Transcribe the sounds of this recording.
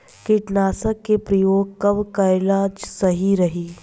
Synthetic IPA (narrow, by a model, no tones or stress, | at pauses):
kɪʈnaːsəkːepɾɐjoːɡ̚kɐbkaɪlaːd͡ʒsɐɦiɾɐɦiː